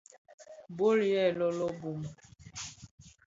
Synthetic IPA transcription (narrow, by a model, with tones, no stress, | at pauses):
bo˦ɾi˨˦ɛ˦˨lɔ˦lɔ˦bu˨m˨